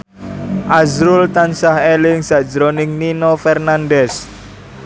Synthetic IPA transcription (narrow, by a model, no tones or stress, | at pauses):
ʔazɾʊlt̪ansaɦelɪŋsaʔd̥d͡ʒəɾonɪŋninofɛrnandɛs